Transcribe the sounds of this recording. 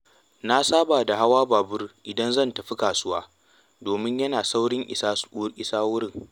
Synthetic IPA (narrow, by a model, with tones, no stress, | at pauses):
na˦saː˦baː˨da˨ɦa˦waː˦baː˨bʊ˦rʔɪ˨dɐ˦nzɐ˦˨ntɐ˨ɸi˦kaː˨sʊ˦waː˦ | doː˨mɪ˦ɲjɐ˦naː˨sa˦wɽɪ˦ŋʔɪ̰˨sa˦ʔɪ˨saː˦wʊ˦ɽɪ˦˨ŋ